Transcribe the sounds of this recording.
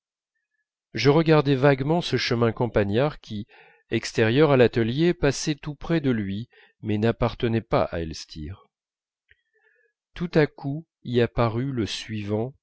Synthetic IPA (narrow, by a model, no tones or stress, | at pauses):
ʒəʁəɡaʁd̪ɛvaɡmɑ̃səʃəmɛ̃kɔ̃paɲaʁkʲi | ɛkst̪ɛʁjœʁalat̪əljepasɛt̪upχɛd̪əlɥi | mɛnapaʁt̪ənɛpa̰ʔa̰ɛlst̪ʰḭʁ | t̪ut̪akʰu | iapaʁyləsɥivɑ̃